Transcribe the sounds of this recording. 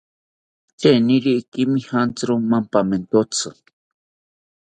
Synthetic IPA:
t͡ʃeniɾiʔkimihant͡sɾumampament̪ot͡sʰɨ

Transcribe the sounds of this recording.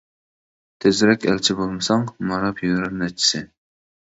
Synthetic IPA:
t̪ʰɪzɾɛkʲɛlt͡ʃʰibolˠmɨsɑŋmɑɾɑpʰjyɾɛɾnɛt͡ʃʰːi̥sɪ

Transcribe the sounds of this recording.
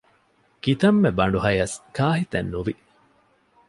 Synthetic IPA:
kit̪ɐmːebɐɳ̆ɖuɦɐjɐskaːɦit̪ɐnːuʋi

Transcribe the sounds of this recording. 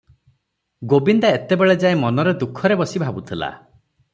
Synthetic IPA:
ɡobind̪aet̪ebeɭed͡ʒaẽmɔnɔɾed̪ukʰːɔɾebɔsibʱabut̪ʰila̰

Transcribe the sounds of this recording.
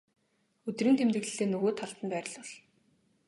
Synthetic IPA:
ɵt̪rɘ̆nt̪ʰemt̪ɘ̆ɣɮɘ̆ɮeːnːɵɣoːt̪ʰaɬt̪ə̆npæːɾʲɪ̆ɮɔɮ̥

